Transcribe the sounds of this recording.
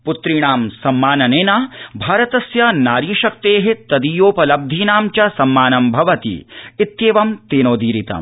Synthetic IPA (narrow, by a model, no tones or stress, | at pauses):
put̪ɾiɳaːmsɐmːaːnɐneːnaːbʱaːɾɐt̪ɐsjɐnaːɾiːʃɐk̚t̪eːɦet̪ɐd̪ijoːpɐlɐb̚d̪ʱiːnaːmt͡ʃɐsɐmːaːnɐmbʱɐʋɐt̪ḭit̪ːjeːʋɐmt̪eːnoːd̪iːɾit̪ɐ̰m